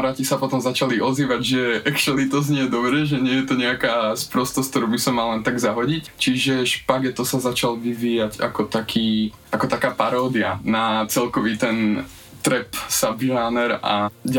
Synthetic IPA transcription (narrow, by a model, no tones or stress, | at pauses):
ɾaːcisapɔt̪ɔmzat͡ʃaliʔɔziːʋaɟʒɛʔɛkʃɛlit̪ɔz̬ɲɪɛjɛd̪ɔbɾɛʒɛɲɪɛjɛt̪ɔɲɛakaːspɾɔst̪ɔsk̚t̪ɔɾuːbisɔmːallɛnt̪aɡzaɦɔɟict͡ʃiʒɛʃpaɡɛt̪ɔsazat͡ʃalʋiʋiːjaɟa̰kɔt̪akʰiː | ʔakɔt̪akaːpaɾɔːd̪ia̰nat͡sɛlkɔʋiːt̪ɛn | t̪ɾɛpsabʒaːnɛɾa̰ɟ